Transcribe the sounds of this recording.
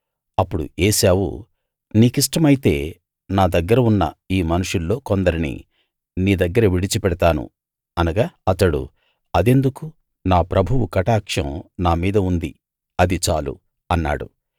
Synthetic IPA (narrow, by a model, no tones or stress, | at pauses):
ɐpːuɽṵeːʃaːwṵ | niːkiʂ̬ʈɐmɐjit̪e̞̰ː | naːd̪ɐɡːɐɾɐunːɐ̰iːmɐnuʂulːo̞ːkond̪ɐɾinḭ | niːd̪ɐɡːɐɾɐʋiɽit͡ʃipɛɽɐt̪aːnṵ | ɐnɐɡaːɐt̪ɐɽṵ | ɐd̪e̞nd̪uku | naːpɾɐbʱuwukɐʈaːkʂɐ̰̃mnaːmiːd̪ɐund̪i | ɐd̪it͡ʃaːlṵ | ɐnːa̰ːɽṵ